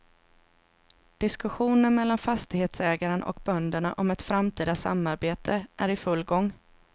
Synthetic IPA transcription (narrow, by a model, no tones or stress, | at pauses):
d̪̥ɪskɵɧuːnənmɛlːanfast̪ɪɡheːt̪sɛːɡaɾənʔɔ̰kbœnd̪əɳa̰ʔɔmɛt̪fɾamt̪ʰiːd̪asa̰mːaɾbeːt̪ʰəʔæɾɪfɵlːɡɔŋː